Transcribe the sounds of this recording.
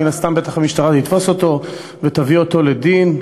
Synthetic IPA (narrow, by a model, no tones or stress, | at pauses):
inast̪ambe̞t̪aχamiʃtaʁatit̪fo̞so̞t̪o̞ | vet̪avio̞t̪o̞le̞d̪in